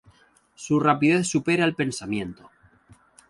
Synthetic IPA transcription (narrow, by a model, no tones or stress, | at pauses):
surapið̞eθsupeɾalpe̞nsamjẽ̞nt̪o